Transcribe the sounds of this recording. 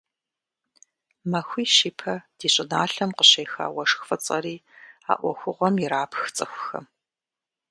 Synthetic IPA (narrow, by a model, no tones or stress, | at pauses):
mɐxʷiːʃiːpʰɐd̥iːɕʼɪnaːɬɐmqəɕejxa̰ːwɐʂxfɐt͡sʼɐ̰ɾiːa̰ːʔʷɔ̰xʷʊʁʷɔmjiɾaːpʰxt͡sʼɨxʷʊxɐ̰m